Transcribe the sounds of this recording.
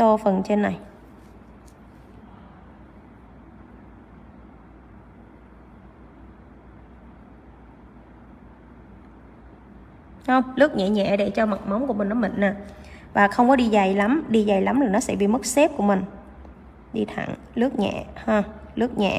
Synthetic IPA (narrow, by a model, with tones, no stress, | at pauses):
so˧fə˨˩nt͡ɕe˧nːa˨˩j | hə˧wŋ͡mlɨ˦˥ək̚ɲɛ̰˧˨ɲɛ̰˧˨ɗe˧˩t͡ɕɔ˧ma˨˩t̚ma˨˦wŋ͡mku˧˩əmi˨˩ŋ̟ʔɔ˨˦mï˨˩ŋ̟naː˨˩vaː˨˩xə˧wŋ͡mkɔ˨˦ɗi˧za˨˩jla˨˦mɗi˧za˨˩jla˨˦mlaː˨˩nɔ˨˦sɛ̰˧˥ɓḭ˧˨mɨ˦˥k̚sɛ˦˥p̚ku˧˩əmï˨˩ŋ̟ | ɗi˧t̪ʰa̰˧˩˨ŋ | lɨ˦˥ək̚ɲɛ̰˧˨həː˧lɨ˦˥ək̚ɲɛ̰˧˨